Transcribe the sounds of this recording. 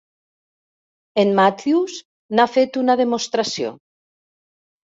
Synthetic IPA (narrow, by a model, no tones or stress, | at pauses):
enmat̪ius | nafet̪unaðemost̪ɾasjo̰